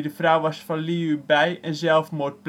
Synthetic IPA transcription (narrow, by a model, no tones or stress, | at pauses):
dəvrʌwʋɑsfɑnliybɛjɛnzɛlˠfmoːt̚pl